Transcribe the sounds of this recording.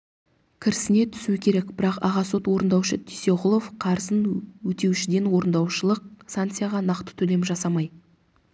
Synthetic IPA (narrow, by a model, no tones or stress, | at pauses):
kʲʰɪɾɪsɪne̞t̪ʰʏ̥suɪkʲʰe̞ɾe̞kbɪɾɑqɑ̰ʁɑso̞t̪wo̞ɾənd̪ɑwʃət̪ʰise̞ʁʊlˠo̞fqʰɑɾzənwɵt̪e̞wʃɪd̪enwo̞ɾənd̪ɑwʃəlˠəq̚sant̪sɨjaʁɑnɑqt̪ə̥t̪ʰɵle̞mʒɑsɑmɑj